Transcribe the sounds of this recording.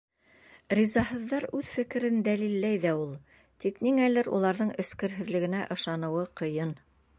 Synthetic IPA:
rʲizɑɦɤ̆ðːɑɾʉðfɘ̆kɘ̆ɾɘnd̪ælilːæjðæulˠ | t̪ikniŋælɘɾṵlˠɑɾðɤɴɘ̆skɘ̆ɾɦɘ̆ðlɘ̆ɡɘ̆næʔɤ̆ʃɑnɤ̆wɤqɤ̆jɤn

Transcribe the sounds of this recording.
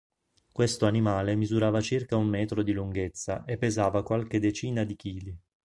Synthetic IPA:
kwest̪oanimaːlemizuɾaːvat͡ʃirkaummɛːt̪ɾod̪iluŋɡet̪sːa̰ʔepːezaːvakwalked̪et͡ʃiːnad̪ik̟iːli

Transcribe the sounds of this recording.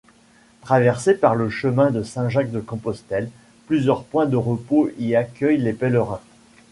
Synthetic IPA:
t̪χavɛʁsepaʁləʃəmɛ̃d̪əsɛ̃ʒak̚d̪əkɔ̃pɔst̪ɛl | plyzjœʁpwɛ̃d̪əʁəpoiakʲœjlepɛləʁɛ̃

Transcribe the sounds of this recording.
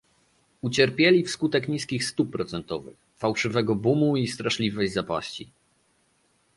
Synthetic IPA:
ut͡ɕɛɾpʲjelʲifskut̪ɛkɲiskʲixst̪upːɾɔt̪sɛnt̪ɔvɘ̰x | fawʂɘvɛɡɔbumuist̪ɾaʂlʲivɛjzapa̰ɕt͡ɕi

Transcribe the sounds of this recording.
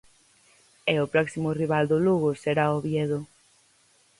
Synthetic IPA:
eʊpɾɔksimʊriβald̪ʊluɣʊseɾaoβjeðʊ

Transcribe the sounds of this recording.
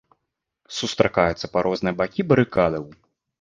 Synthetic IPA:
sust̪ɾakajut̪sːɐpaɾʔɔznɨjɐbakʲibɐɾɨkad̪ɐw

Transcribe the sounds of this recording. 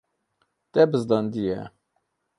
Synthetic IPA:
t̪ɛbɨzd̪ɑnd̪ijɛ̰

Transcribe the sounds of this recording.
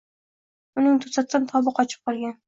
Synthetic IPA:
ʊnɪŋt̪ʰʊsat̪sant̪ʰɒbɨqʰɒt͡ʃʰɪ̥p̚qɒlˠɡʲan

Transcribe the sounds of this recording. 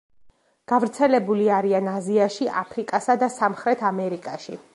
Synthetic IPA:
ɡ̥avɾt̪sʰɛlɛbuliaɾianaziaʃiʔapʰɾikʼasad̪asamχɾɛt̪ʰamɛɾikʼaʃi

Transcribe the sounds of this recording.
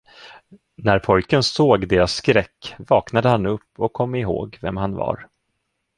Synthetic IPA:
næɾpʰɔjkənsoːɡd̪eːɾasːkɾɛkːvɑːknad̪əhanɵpːɔkʰːɔmːɪɦo̰ːɡvɛmhanva̰ɾ

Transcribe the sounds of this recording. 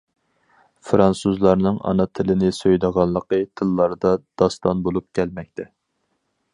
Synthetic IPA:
fɾɑnsuzlˠɑɾnɨŋɑ̰nɑt̪ʰɪlɪnɪsøjd̪əʁɑnˠːəqət̪ʰɨlˠːɑɾd̪ɑd̪̥ɑst̪ɑnbolˠup̚kʲʰɛlmɛk̚ʲt̪ʰɛ

